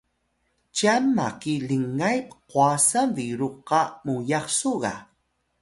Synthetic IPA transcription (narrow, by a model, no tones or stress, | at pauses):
t͡ʃamːakiləŋːajpqwasaviɾuqɑmujɑχsuɣa̰